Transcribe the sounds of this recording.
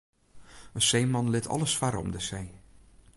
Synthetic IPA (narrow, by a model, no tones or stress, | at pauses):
əsejmɑnlɪtʰɑ̰ləsfaɾɔ̰mdəsej